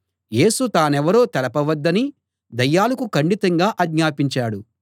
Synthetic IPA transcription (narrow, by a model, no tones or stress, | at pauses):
je̞ːsut̪aːnɛʋɐɾo̞ːt̪ɛlɐpɐʋɐd̪ːɐni | d̪ɐjːaːlɐkukɐɳɖit̪ɐŋɡaːʔɐɡɲaːpiɲt͡ʃaːɽu